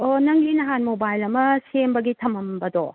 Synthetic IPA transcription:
onɐŋlinɐɦanmobajlɐmɐsembɐɡitʰɐmɐmbɐdɔ

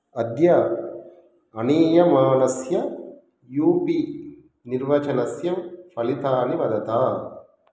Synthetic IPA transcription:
ɐd̪jaː | ɐniːjɐmaːnɐsjɐ | juːpi | niɾʋɐt͡ʃɐnɐsjɐmpʰɐlit̪aːniʋɐd̪ɐt̪aː

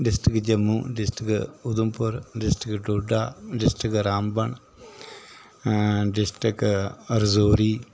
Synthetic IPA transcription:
ɖisʈɾikɨd͡ʒɐmːuɖisʈikɨud̪umpuɾɖisʈikʈuɖaːɖisʈikɾaːmbɐɳ | ɖisʈikɐɾzoːɾi

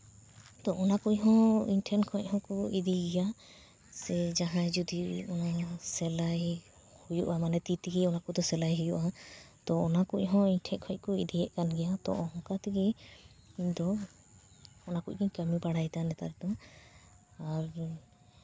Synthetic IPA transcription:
t̪ɔʔɔnakucɦɔ̃ḭnʈʰɛnkʰɔc̚ˀhɔ̃kɔid̪iɡɛja | sɛd͡ʒaɦãd͡ʒud̪iɔnasɛlaj | hujuʔamanɛt̪it̪iɡiɔnakud̪ɔsɛlajɦujuʔa | t̪ɔːnakuc̚ˀɦɔ̃inʈʰɛʔkʰɔc̚kɔḭd̪ijɛʔkanɡɛjat̪ɔ̰ʔɔɦɔ̃kat̪iɡɛ | iɲd̪ɔ | nakuc̚ˀkiɲkəmibaɽajt̪anɛt̪a̰ɾɛt̪ɔ | aɾ

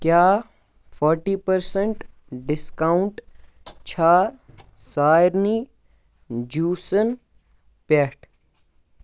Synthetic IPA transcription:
kjaː | pʰɔɾʈiːpəɾsẽɳʈ | ɖɪskaʊɳʈ | t͡ʃʰaːsaːɾniː | d͡ʒuːsən | peʈʰ

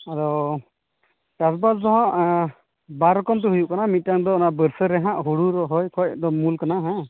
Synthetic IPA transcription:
aɾɔ | kasbasdɔɦãʔ | baɾɔkɔmt̪uɦujuʔkanamit̪̚ˀtaŋd̪ɔɔnabəɾsəɾɛɦãʔɦuɽuɾɔɦɔjkʰɔjd̪ɔmulkanaɦã

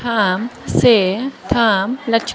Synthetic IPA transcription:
amset̪ʰaːmlɐt͡ʃʰ

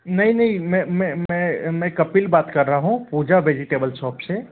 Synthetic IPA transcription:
nɐɦĩnɐɦĩmɛ̃mɛ̃mɛ̃mɛ̃kɐpilbaːt̪kɐɾːaɦaɦũpuːd͡ʒaʋeːd͡ʒɪʈeːbəlsɔːpse

